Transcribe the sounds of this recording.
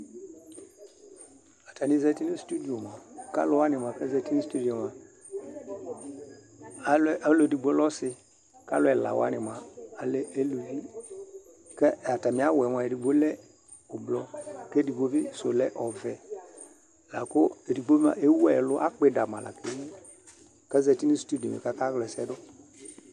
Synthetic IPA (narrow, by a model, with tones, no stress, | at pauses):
a˨ta˨ni˨˦zɛ˨ti˦nu˦stu˦di˨o˨m˨a˨ka̰˦lʊ˦wa˦nɪ˨ma˨kɛ˦zɛ˨ti˦nu˦stu˦di˨o˨ma˨ | a˦lʔa˦lo˨di˨ɡ͡bo˦lɔ˦sɪ˦ | ka̰˦lʊ˦ɛ˨la̰˨wa̰˦nɪ˨ma˨a˨le˦e˦lu˨vi˦ | kɛ˦˨a˨ta˨mɪ̃˨˦a˦wɛ˨˦ma˨e˨ɾi˨ɡ͡bo˦lɛ˦ | ʊ˨blɔ˦ke˦di˨ɡ͡bo˦vi˦so̰˨lɛ˦ʔɔ˨vɛ˨ | la˨kʊ˦e˨ɾi˨ɡ͡bo˦ma̰˨e˦wɛ˦˨lʊ˦ʔa˦k͡pe˨da˨mã˨la̰˨ke˦i˦ | kɛ˦zɛ˨ti˦ni˦stu˦di˨ɔ̰̃˨mɛ̰˨ka˦ka˦ɣlɛ˨sɛ˦dʊ˦